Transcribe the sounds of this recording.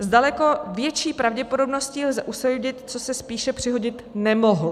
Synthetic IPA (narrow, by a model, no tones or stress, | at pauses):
zdalɛko̞vjɛt͡ʃiːpɾavɟɛpo̞do̞bno̞sciːlzɛʔusɛɟɪt̪̚t͡sosɛspiːʃɛpr̝̥ɪɦo̞ɟɪt̪nɛmo̞ɦo